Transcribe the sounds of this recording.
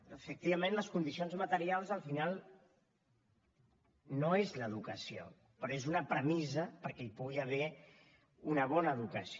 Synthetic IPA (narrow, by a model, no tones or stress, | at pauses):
əfək̚t̪iβɐmẽnləskund̪isionzmət̪əɾialˠzəlˠfinalˠ | noezləðukəsio̰ | pɾɔezunəpɾəmizəpəɾkɛipuɣiəβ̞ɛ | unəβ̞ɔnəːðukəs